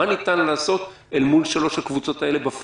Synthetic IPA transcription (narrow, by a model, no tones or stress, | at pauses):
anit̪anlaːso̞t̪ | elmulʃalo̞ʃhakvut͡so̞t̪ae̞le̞baf